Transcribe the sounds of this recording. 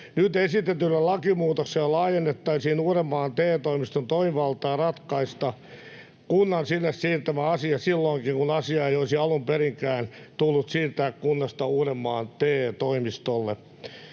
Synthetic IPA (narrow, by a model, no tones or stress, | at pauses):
nyt̪esit̪et̪ylːelɑkimuːt̪okselɑːjenːet̪ːɑisinuːremːɑːnt̪eːt̪oimist̪ont̪oimiʋɑlt̪ɑːrɑt̪kɑist̪ɑ | kunːɑnsinːessiːrt̪æmæɑsiɑsilːoiŋkiŋkunɑsiɑeijoisiɑlumperiŋkæːnt̪ulːut̪siːrt̪æːkkunːɑst̪ɑuːremːɑːnt̪eːt̪oimist̪olːḛ